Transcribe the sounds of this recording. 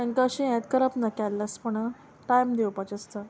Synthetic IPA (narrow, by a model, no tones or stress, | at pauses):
ə̃ŋkaɕĩɛ̃t̪kəɾəpnəkalːəspəɳ | ʈajmd̪ewpat͡ɕəst̪a